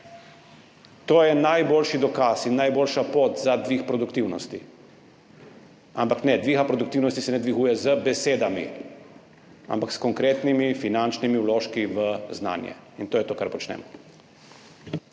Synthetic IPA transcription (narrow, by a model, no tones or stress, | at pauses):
t̪oːjɛnajboːlʃid̪ɔkasinːajboːlʃapoːt̪zad̪ʋiːxpɾɔd̪uk̚t̪iwnɔst̪i | a̰mpaknɛd̪ʋixapɾɔd̪ukt̪iwnɔst̪isɛnɛd̪ʋiɣuːjɛzəbɛseːd̪amḭ | a̰mpakskɔŋkɾeːt̪nimifinant͡ʃnimiwloːʃkiʋəzna̰ːnjɛ̰int̪oːjɛt̪oːkaɾpɔt͡ʃnɛ̰ːmɔ